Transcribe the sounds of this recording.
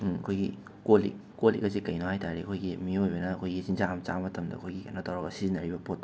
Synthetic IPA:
ɐkʰojɡḭ | kolḭkːolḭkɐzikɐjnohajtaɾiɐkʰojɡimiojbɐnɐːkʰojɡizinzamt͡ʃamɐtʰɐmdɐ̰kʰojɡikɐnɐtʰawɾaɡɐsizinɐɾibɐpot̚

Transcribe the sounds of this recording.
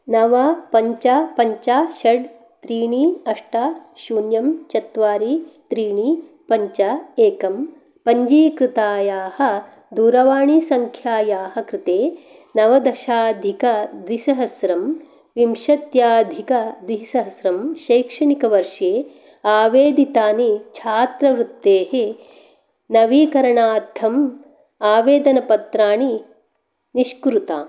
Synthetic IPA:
nɐʋɐpɐɲt͡ʃapɐɲt͡ʃaːʃɐɖ | t̪ɾiːɳiɐʂʈaːʃuːnjɐmt͡ʃɐt̪ʋaːɾit̪ɾiːɳi | pɐɲt͡ʃaeːkɐm | pɐɲd͡ʒiːkɾɪt̪aːjaːhɐ̆ | d̪uːɾɐʋaːɳisɐŋkʰjaːjaːɦɐkɾɪt̪eː | nɐʋɐd̪ɐʃaːd̪ʱikɐd̪ʋisɐɦɐsɾɐm | ʋimʃɐt̪jaːd̪ʱikɐd̪ʋisɐɦɐsɾɐmʃɐjːkʂɐɳikɐʋɐɾʂeː | aːʋeːd̪it̪aːnit͡ʃʰaːt̪ɾɐʋɾut̪ːeːhe | nɐʋiːkɐɾɐɳaːɾt̪ʰːɐm | aːʋeːd̪ɐnɐpɐt̪ɾaːɳi | niʃkɾut̪aː

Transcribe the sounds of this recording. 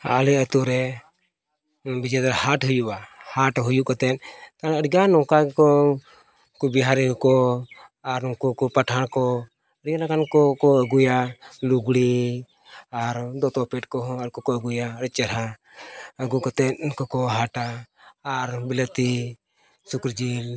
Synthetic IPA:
a̰lɛət̪uɾɛ | bid͡ʒɛd̪aɾhaʈɦujubahaʈɦujuʔkɔt̪ɛt̪̚kãəɽɡanɔŋkakɔ | kubiɦaɾɛkɔkɔ | aɾnɔŋkukɔpaʈʰaɽkɔ | əɽɡanakankɔkɔəɡujaluɡɽi | aɾd̪ɔt̪ɔpɛʈkɔɦəɾkɔkɔəɡujaəɾ̚t͡ʃɛɾa | əɡukɔt̪ɛt̪̚kɔkɔɦaʈaː | ɾbilət̪i | sukɾd͡ʒil

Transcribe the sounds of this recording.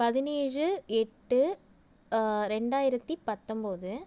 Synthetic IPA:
pɐðɪneːrɯɛʈːɯ | ɾɛɳɖaːjɪɾɐt̪ːipɐt̪ːɔmboːðɯ

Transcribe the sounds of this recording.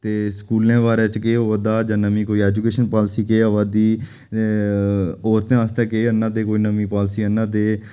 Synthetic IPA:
t̪eːskuːlẽːʋaːɾeːt͡ʃkeːoːʋəd̪aːd͡ʒãːnəmĩːkoːiːɛːd͡ʒukeːʃənpaːlsiːkeːəʋad̪iː | oːɾt̪ẽãst̪ɛ̃ːkeːənːãːd̪eːkoːiːnəmĩːpaːlsiːənːãːd̪eː

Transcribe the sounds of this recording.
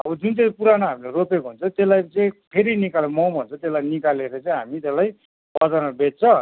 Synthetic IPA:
ʌbʌd͡zunt͡sʌĩpuɾanʌɦamileɾopekoɦunt͡sʰʌt̪elajt͡sẽpʰeɾinikalemʌwbʱʌnt͡sʰʌt̪elajnikaleɾʌt͡sʌĩɦamit̪elaj | pʌd͡zanʌbet̚t͡sʰʌ

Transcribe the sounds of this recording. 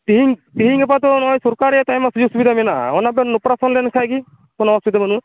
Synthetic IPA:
t̪iɦiŋt̪iɦiŋapat̪̬ɔnɔjsɔɾkaɾɛt̪ajmasud͡ʒusubid̪aminaɔnapɔnopɾasɔnlenkʰajki | kɔnɔmasubid̪amanu

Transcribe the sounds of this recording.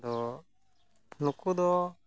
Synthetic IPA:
d̪ɔ | nukud̪ɔ

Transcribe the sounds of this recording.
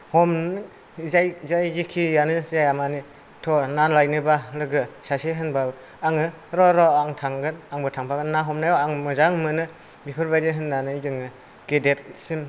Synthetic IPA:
hɔm | zajzajzikʰijanɯzajamani | tʰɔnanlajnɯbalɯɡɯsaseɦɯnbab | aŋɯ | ɾɔɾɔaŋtʰaŋɡɯnaŋbɯtʰaŋpʰaɡɯnnːaɦɔmnajɔaŋmɯzaŋmɯnɯ | bipʰɯɾbajdiɦɯnːanɯzɯŋɯ | ɡ̥edet̚sim

